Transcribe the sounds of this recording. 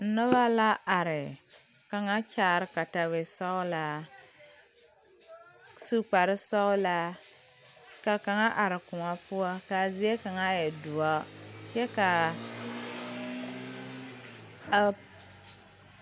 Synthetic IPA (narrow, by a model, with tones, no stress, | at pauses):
n̩˦nɔ˦βa˦la˦a˨ɾɪ˨ | ka˨ŋa˦t͡ʃaː˦˨ɾɪ˦ka˨ta˨we˨sɔ˦ʊ˦la˦ | su˦k͡pa˨ɾɪ˦sɔ˦ʊ˦la˦ | ka˨ka˨ŋa˦ʔa˨ɾɪ˨kʊ˨ma˦pʊ˦a˦ka˨zi˦e˦ka˨ŋa˦jɛ˨du˨a˦jɛ˦ka˨